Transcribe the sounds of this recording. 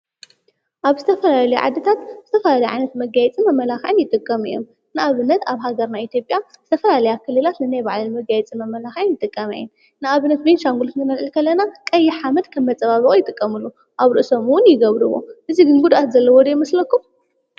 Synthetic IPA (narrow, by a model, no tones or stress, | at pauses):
ʔaβzɨt̪ʰɐfɐlaalɐjuʕa̰d̪ɐt̪ʰat̪zɨt̪ʰɐfɐlalɐjʕa̰jnɐt̪mɐɡajɛt͡sʼimɐmːɐlaxʕɨnjɪt̪ʼɨkʼːɐmɨjom | nɨaβɨnːɐt̪aβɦaɡɐɾnaʔit̪ʰjo̞pʼjaz̥ɨt̪ʰɐfɐlalɐjakʰɨlːɨlat̪nɨnajbaʕlɐlmɐɡajɛt͡sʼimɐmːɐlaxʕɨnjɪt̪ʼɨkʼːɐmɐ̰jːɛn | nɨaβɨnːɐt̪̚benʃaŋɡult̪nɨmɐlʕɨlkʰɐlːɐnakʼɐjːɪħamɐd̪kʰɐmːɐt͡sʼɐβaβɨʔʼojɪt̪ʼɨkʼːɐmɨlːu | ʔaβɾɨʔsɐmuwʊnjɪɡɐβɾɨβo̞̰ʔɨziɡɨnɡud̪ʔat̪zɐlːɐwɔd̪jmɐslɐkːum